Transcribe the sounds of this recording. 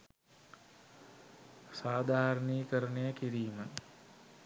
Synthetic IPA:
saːd̪ʱaːɾəniːkəɾənejəkiɾiːmə

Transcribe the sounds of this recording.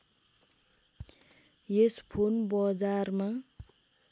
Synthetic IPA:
jespʰonbʌd͡zarma

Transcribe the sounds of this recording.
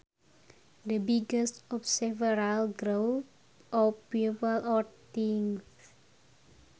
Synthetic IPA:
d̪əbiɡɛstɔbsɛvəɾalɡɾow | ɔpipəlʔɔt̪iŋs

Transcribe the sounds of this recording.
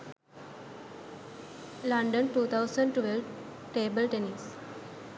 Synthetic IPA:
laɳɖəɳʈuːt̪ʰawsəɳɖʈʋelʋ | ʈebəlʈenis

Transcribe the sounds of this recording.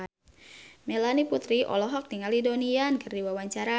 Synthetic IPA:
mɛlaniput̪ɾiʔɔ̰lɔɦɔk̚diŋalidoniankɨrdiwawaɲt͡ʃaɾa

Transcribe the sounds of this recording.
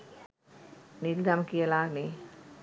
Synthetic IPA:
nild̪ɐmɐkijɐlaːɡni

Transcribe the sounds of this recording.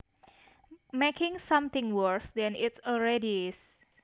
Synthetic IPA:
mekɪ̃ŋsãmt̪ɪ̃ŋwəɹsdɛ̃nɪtsɔlɹɛdiɪs

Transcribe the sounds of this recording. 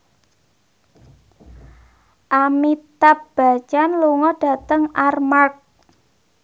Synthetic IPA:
ʔamit̪ab̥a̤t͡ʃanluŋɔɖ̥a̤t̪əŋarmark̚

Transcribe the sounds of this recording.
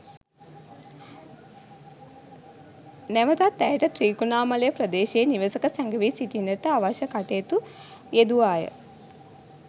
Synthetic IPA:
næʋət̪at̪ːæjʈət̪ɾiːkunaːməlejəprəd̪eːʃeːniʋəsəkəsæŋɡəʋiːsiʈinəʈəaʋaʃəkaʈejːt̪u | jed̪uʋaːjə̰

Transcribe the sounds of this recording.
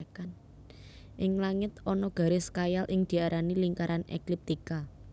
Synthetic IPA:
kan | ʔɪŋlaŋɪt̪ɔnɔɡ̥a̤ɾeskajalʔɪŋd̪̥i̤aɾaniliŋkaɾanɛ̰klip̚t̪ika

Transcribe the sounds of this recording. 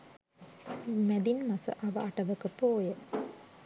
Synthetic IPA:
mæd̪inmɐsə̰ʔɐʋɐʔaʈɐʋəkəpoːjə

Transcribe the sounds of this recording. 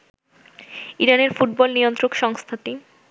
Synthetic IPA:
iɾaneɾfuʈ̚bɔlniont̪ɾokʃɔŋst̪ʰati

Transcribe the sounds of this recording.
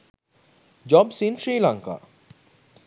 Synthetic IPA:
d͡ʒɔːbsĩnʃɾiːlãŋka̰ː

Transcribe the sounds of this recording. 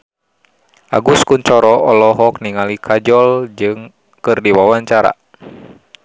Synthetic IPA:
ʔaɡuskuɲt͡ʃɔɾɔʔɔlɔɦɔk̚niŋalikʰad͡ʒɔld͡ʒɨŋ | kɨrdiwawaɲt͡ʃaɾa̰

